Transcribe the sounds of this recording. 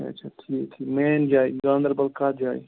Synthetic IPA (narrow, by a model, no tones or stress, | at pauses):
a̰t͡ʃʰat̪ʰiet̪ʰimeːnd͡ʒaːiɡãːnd̪əɾbɐlkatd͡ʒaːḭ